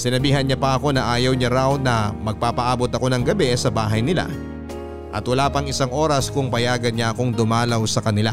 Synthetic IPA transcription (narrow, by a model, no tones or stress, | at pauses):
sɪnɐbiːɦɐnɲapɐʔɐko̞nɐʔaːjɐwɲɐɾawnɐmɐɡ̚paːpɐʔaːbo̞t̪ɐko̞nɐŋɡɐbɛsɐbaːɦɐjnɪla̰ | ʔɐ̰t̪wɐlaːpɐŋɪsaŋʔo̞ːɾɐskʊŋpɐjaːɡɐnɲɐʔɐko̞ŋd̪ʊmaːlɐwsɐkɐnɪla